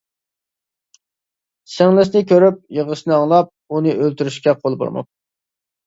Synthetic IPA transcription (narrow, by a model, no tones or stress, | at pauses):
sɛŋlˠɪsnɪkʲʰøɾyp̚jəʁəʃnɨɑŋlˠɑp̚unɨʔølt̪yɾyʃkʲɛqʰolˠbo̰ɾmɑ̰p̚